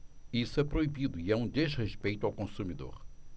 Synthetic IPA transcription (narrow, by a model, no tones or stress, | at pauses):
isɛpɾoibid̪ʊiɛũd̪ezʁeʃpejt̪uawkõsumid̪o̰ɾ